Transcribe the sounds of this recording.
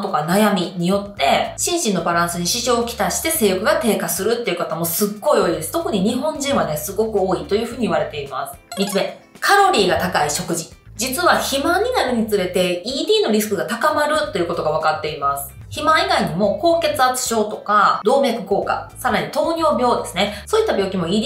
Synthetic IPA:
t̪o̞kanajamʲiɲ̟ijo̞t̪ːe̞ɕĩɰ̃ɕĩnːo̞baɾãɰ̃sɨɲ̟iɕiʑo̞ːkʲi̥t̪aɕi̥t̪e̞se̞ːjɯkɯ̟ɡat̪e̞ːkasɨɾɯ̟t̪ːe̞iɯ̟kat̪amo̞sɨɡːo̞io̞ːid̪e̞sɨ̥t̪o̞kɯ̟ɲ̟iɲ̟iɦõ̞ɲ̟d͡ʑĩɰ̃βane̞sɨɡo̞kɯ̟o̞ːit̪o̞jɯ̟ːɸɯ̟ːɲ̟iiβaɾe̞t̪e̞ima̰sɨ̥mʲit͡sɨme̞ | kʰaɾo̞ɾʲiːɡat̪akaiɕo̞kɯ̟ʑi | d͡ʑit͡sɨβaçimãɲ̟inaɾɯ̟ɲ̟it͡sɨɾe̞t̪e̞iːd̪ʲiːno̞ɾʲisɨ̥kɯ̟ɡat̪akamaɾɯ̟t̪ːe̞iɯ̟ko̞t̪o̞ɡaβ̞akat̪ːe̞imasɨ̥ | çimãiɡaiɲ̟imo̞ko̞ːke̞t͡sɨat͡sɨ̥ɕo̞ːt̪o̞kad̪o̞ːme̞ːkɯ̟ko̞ːka̰saɾaɲ̟it̪o̞ːɲʲo̞ːbʲjo̞ːd̪e̞sɨnesoːit̪ːabʲo̞ːkʲimo̞iːd̪i

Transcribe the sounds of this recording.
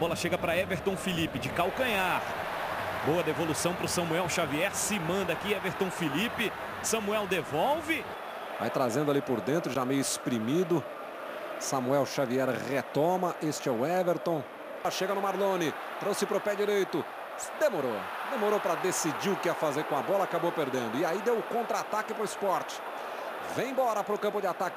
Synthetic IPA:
bɔlɐʃeɡɐpɾɐɛveɾt̪õfilipɪd͡ʒɪkawkɐ̃ɲaɾ | bowɐd̪evolusɐ̃w̃pɾʊsɐ̃muɛwʃaviɛɾsɪmɐ̃nd̪ɐkiɛveɾt̪õw̃filipɪ | sɐ̃muɛwd̪evowvɪ | va̰jt̪ɾazẽd̪ʊalipʊɾd̪ẽnt̪ɾʊʒamejʊespɾimid̪ʊ | sɐmuɛwʃaviɛɾʁet̪omɐʔest͡ʃɪɛʊɛveɾt̪õw̃ | ɐʃeɡɐnʊmaɾlõnɪ | t̪ɾowsɪpɾʊpɛd͡ʒiɾejt̪ʊ | d̪emoɾo | d̪emoɾowpɾɐd̪esid͡ʒiɾʊkɪafazeɾkõabɔlakabowpeɾd̪ẽnd̪ʊɪaid̪ewʊkõnt̪ɾat̪akɪpɾʊɪspɔɾt͡ʃɪ̥ | vẽj̃bɔɾɐpɾʊkɐ̃mpʊd͡ʒɪat̪akɪ

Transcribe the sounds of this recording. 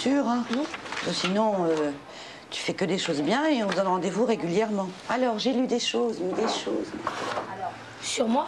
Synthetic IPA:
syːʁɛ̃dɔsinɔ̃ø | t̪y̥fɛkəd̪eʃozbjɛ̃eɔ̃vuzɑ̃nʁɑ̃d̪evuʁeɡʲyljɛʁmɑ̃alɔʁʒelyd̪eʃozmɛd̪eʃo̰ːzmɛ | syʁmwa

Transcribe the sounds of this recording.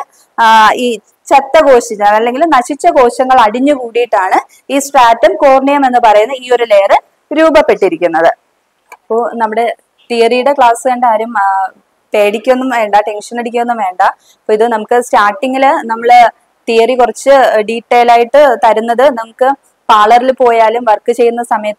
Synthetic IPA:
iː | t͡ɕet̪ːɐɡo̞ːɕiɲːaːɭɐlːe̞ŋɡilnɐɕit͡ɕːɐɡo̞ːɕɐŋːɐɭɐɽiɲːukuːɽijiʈːaːɳɨ | iːsʈaːtːɐmkoːrɳijɐme̞nːɨpɐrɐjunːɐiːo̞ɾule̞ːrɨ | ɾuːbɐpːe̞ʈːiɾikʲːunːɐðɨ | ɐpːoːnɐmːuɽe̞ | t̪ijɐrijuɽe̞kɭaːsɨʋeːɳɖaːɾum | pe̞ːɽikʲːuenːumʋe̞ːɳɖaʈe̞nʂɐneɽikʲːumenːumʋe̞ːɳɖa | pːoːiðɨnɐmukːɨsʈaːʈːiŋɡilnɐmːɐɭ | t̪ijɐrikurɐt͡ɕːɨɖiːʈːeːjlaːjiʈːɨt̪ɐɾunːɐðɨnɐmukːɨ | paːɭɐrilpo̞ːjaːlumʋɐrkːɨt͡ɕe̞jːunːɐsɐmɐjɐt̪ː

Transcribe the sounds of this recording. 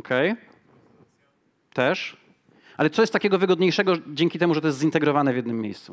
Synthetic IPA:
kʰɛj | t̪ɛʂ | ʔalɛt̪sɔjɛst̪ːakʲɛɡɔvɘɡɔd̪ɲejʂɛɡɔd͡ʑɛŋkʲit̪ɛmuʐɛt̪ɔjɛs̬t̪zint̪ɛɡɾɔvanɛvʲjɛd̪nɘmʲːjḛjst̪su

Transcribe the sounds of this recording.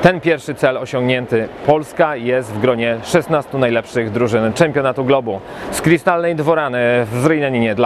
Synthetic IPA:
t̪ɛnpʲjɛɾfʂɘt̪sɛlɔɕɔ̃ŋɡɲɛnt̪ɘpɔlskajɛst̪vɡɾɔɲɛʂɛst̪nast̪unajlɛpʂɘɣd̪ɾuʐɘnt͡ʂɛmʲpʲjɔnat̪uɡlɔbu | skɾʲist̪alnɛjd̪vɔɾanɘvzɾɛjnɛɲɲɛd̪la

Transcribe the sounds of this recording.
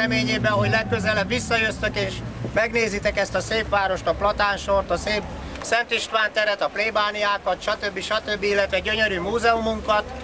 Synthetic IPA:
ɛmeːɲeːbɛɒɦo̞ɟlɛkːøzɛlɛbʋisːɒjøst̪økeːʃmɛɡneːzit̪ɛkɛst̪ɒseːpʋaːɾo̞ʃt̪ɒplɒt̪aːnʃo̞rt̪ɒseːp | sɛnt̪iʃt̪ʋaːnt̪ɛɾɛt̪ɒpleːbaːnijaːkɒt̪ʃɒt̪ø̞bːiʃɒt̪ø̞bːiilːɛt̪ʋɛɟøɲøɾyːmuːzɛumuŋkɒt̪

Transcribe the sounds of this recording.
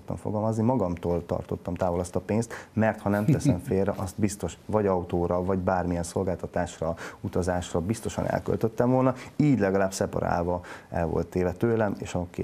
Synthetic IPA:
t̪ːɒ̰ɱfoɡɒlmɒznimɒɡɒmt̪oːlt̪ɒ̰rt̪o̞̰t̪ːɒmt̪aːvolɒst̪ɒpeːnst̪mɛrt̪hɒnɛmt̪ɛsɛɱfeːrːɛʔɒst̪bist̪o̞ʃvɒɟɒut̪oːɾɒvɒɟbaːrmijɛnso̞lɡaːlt̪ɒt̪aːʃrɒut̪ɒzaːʃrɒbist̪o̞ʃɒ̰nɛ̰lkø̰lt̪øt̪ːɛɱvolnɒiːɟlɛɡɒlaːbsɛpɒ̰ɾa̰ːlvɒɛlvo̞̰lt̪ːeːvɛt̪øːlɛmḛːʃɒkː

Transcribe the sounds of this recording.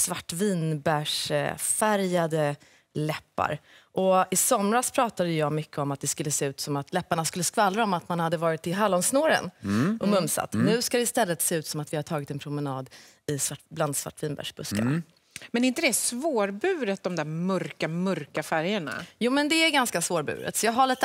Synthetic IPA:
svaʈːviːnbæʂfæɾjad̪ə | lɛpːa̰ɾʔɔɪsɔmɾaspʰɾɑːt̪ad̪əjɑːɡmʏkʰːəɔmat̪̚d̪ɛskɵlːəseːʉ̟ːt̪sɔmat̪lɛpːaɳaskɵlːəskvalːɾaɔmat̪manhad̪ːəvɑːɾɪt̪ːɪɦalːɔnsnoːɾə̰nʔɔmɵmsa̰t̪ːnʉ̟ːskad̪ɛɪst̪ɛlːət̪seːʉ̟ːt̪sɔmat̪vɪhaʈʰɑːɡɪt̪ɛnpʰɾʊmənɑːd̪ | ɪsvaʈbland̪sva̰ʈːviːnbæ̰ʂb̥ɵska̰na̰ | mɛnɪnt̪əd̪ɛsvoːɾbʉ̟ːɾət̪̚d̪ɔmd̪æɾmœɾkamœɾkafæɾjəɳa̰juːmɛnd̪ɛæɾɡanskasvoːɾbʉ̰ːɾə̰t̪sɔjɑːɡɦaɭiːt̪ə

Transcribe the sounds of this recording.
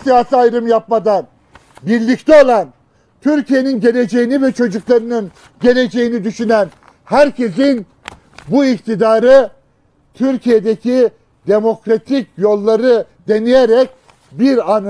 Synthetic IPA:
sijaːsiajɾɯmjap̚mad̪an | biɾlʲict̪ʰɛo̞lˠan | t̪ʰyɾcije̞ninɟe̞lʲe̞d͡ʒe̞jinivɛt͡ʃʰo̞d͡ʒuklˠaɾɯnɯn | ɟe̞lʲe̞d͡ʒe̞jinid̪yʃynæn | hæɾcʰe̞s̬in | buikt̪ʰid̪aːɾɯ | t̪ʰyɾcʰije̞d̪ecʰi | d̪e̞mo̞kɾat̪ʰicjo̞lˠːaɾɯ | d̪e̞nijeɾɛc̚ | biɾan

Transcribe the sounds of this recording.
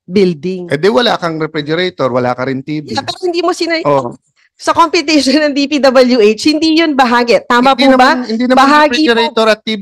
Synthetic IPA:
bɪld̪ɪŋɛd̪ɛwɐlaːkɐŋɾɛfɾɛd͡ʒɛɾɛt̪oɾwɐla̰ːkɐɾɪnt̪iːbɐpɛːɾohɪnd̪iːmosinɐo | sɐkompɪt̪ɛʃonːɐŋd̪ipid̪ɐbɐljuʔejt͡ʃhɪnd̪ijonbɐɦaːɡɛt̪aːmɐpubɐɪnd̪inɐbɐɦaːɡiɾɛt̪oɾɐt̪̚ːiːb

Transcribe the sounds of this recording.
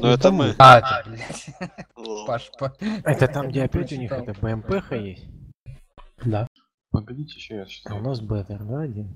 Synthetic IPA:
nuɛt̪əmɨat̪ʲablʲatʲ | paʂpəɛt̪ət̪amɡdʲeɐpʲætʲʊnʲixɛt̪əbəɛmpɛxɐjesʲtʲ | d̪a | pəɡɐdʲitʲɪaʊnas̬bɛt̪ərnadʲɪ

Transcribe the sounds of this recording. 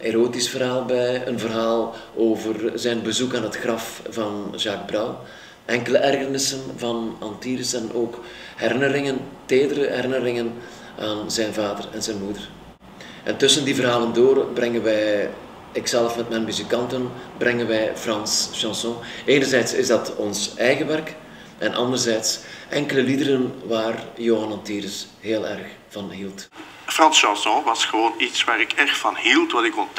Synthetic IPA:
ʔeɾoːtisfərɦaːlˠbɛjə̰nvərɦaːlˠoːvərzɛjnbəzukaːnɦətxrɑfvɑnʒaːɡ̚braw | ʔɛŋkələʔɛrɣərnɪsənvɑnɑntiːɾəsɛnʔoːk | hɛɾɪnəɾɪŋənteːdəɾəɦɛɾɪnəɾɪŋən | ʔaːnzɛnvaːdərɛnzɛnmudər | ʔɛntɵsəndivərɦaːləndoːrbrɛŋənʋɛj | ɪksɛləfmɛtmɛjnmyzikɑntənbrʔɛŋənʋɛjfrɑnsʃɑ̃sɔ̃eːnərzɛjtsɪ̰zdɑtɔnsɛjɣəʋɛrk | ʔɛnʔɑ̰ndərzɛjtsʔɛŋkələlidəɾənʋaːrjoːɦɑnɑntiːɾɪs | ɦeːlˠɛ̰rx | v̥ɑnɦilˠt | frɑnsʃɑ̃sɔ̃ʋɑsxəʋoːnitsʋaːɾɪkɛrxtfɑnɦilˠtʋɑtɪkɔnt

